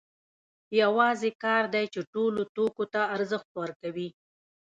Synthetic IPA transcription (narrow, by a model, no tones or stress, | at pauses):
jawɑzekɑɾd̪ajt͡ʃeʈolot̪okot̪aːɾzəxt̪̚pwaɾkawi